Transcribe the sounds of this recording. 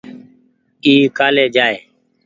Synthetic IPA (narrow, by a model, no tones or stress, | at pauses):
iːkaːleːd͡ʒaːeː